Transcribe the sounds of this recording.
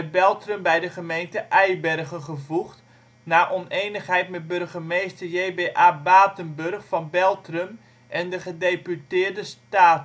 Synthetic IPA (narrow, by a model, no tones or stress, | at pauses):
əbɛlˠtrəmbɛjdəχəmejntəʔɛjbɛrɣənχəvuχt | naːʔɔneːnəχɦɛjtmɛt̚bɵrɣəmejstərjeːbeːʔaːbaːtənbørχfɑnbɛlˠtrəm | ʔɛndəχədepytɪːrdəstaːt